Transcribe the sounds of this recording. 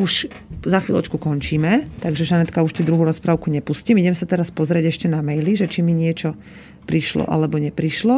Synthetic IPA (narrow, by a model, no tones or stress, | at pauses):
uʃ | zaxʋḭːlɔ̰t͡ʃkukɔnt͡ʃiːmɛt̪aɡʒɛʒanɛt̪kauʃt̪id̪ɾuɦuːɾɔspɾaʊkuɲɛpuscimiɟɛmsat̪ɛɾaspɔzɾɪɛɟɛʃcɛnamɛjliʒɛt͡ʃimiɲɪɛt͡ʃɔ | pɾiʃlɔ̰ʔa̰lɛbɔɲɛpɾiʃlɔ